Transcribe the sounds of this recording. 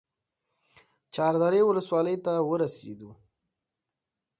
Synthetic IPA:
t͡ʃɑɾd̪ɑɾewʊləswɑləjt̪awəɾasḛd̪u

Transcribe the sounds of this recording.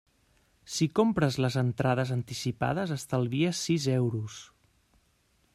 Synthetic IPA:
sikompɾəzləzənt̪ɾaðəzənt̪isipa̰ðəzəst̪əlˠβiəsizɛwɾus

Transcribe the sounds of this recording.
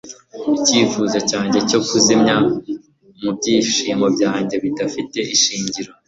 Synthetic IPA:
iciːfuzocaːɲɟe̞co̞kuzimɲa | mub̚ɟiːʃiːmɡobɟaːɲɟe̞βidafite̞ʔiʃiːɲɟiɾo̞

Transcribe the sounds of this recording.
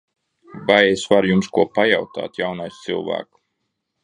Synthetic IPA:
bajɛsvaɾjumskuɔpajawt̪a̰ːt̪jawnajst̪sɨ̰lˠvæ̰ːk

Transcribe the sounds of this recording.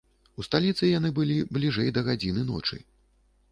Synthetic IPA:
ust̪alʲit̪sɨjanɨbɨlʲiblʲiʐɛjd̪ɐɣad͡zʲinɨnɔ̰t͡ʂɨ̰

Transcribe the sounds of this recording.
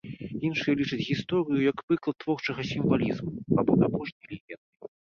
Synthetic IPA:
inʂɨjɐlʲit͡ʂɨt͡sʲɣʲist̪ɔɾɨjujɐkpɨklˠɐt̪ːvɔrt͡ʂɐɣɐsʲimvalʲizmuabɔd̪apɔʂnʲijlʲivʲɛnd̪ɨ

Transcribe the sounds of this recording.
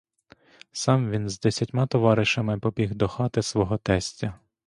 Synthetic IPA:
sɑmʋʲinzd̪ɛsʲɐtʲmɑt̪ɔʋɑɾɪʃɐmɪpɔbʲiɦd̪ɔxɑt̪ɪsʋɔɦɔt̪ɛsʲtʲɐ

